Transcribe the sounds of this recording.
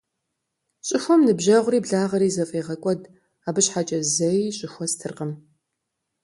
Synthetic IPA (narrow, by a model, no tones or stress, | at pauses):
ɕʼɪxʷɔmnɨbʑɐʁʷʊriːbɮaːʁɐɾiːzɐfʼeːʁɐkʷʼɔd | aːbɨɕħat͡ʃʼɐzɐjiɕʼɪxʷɔstʰɨrqəm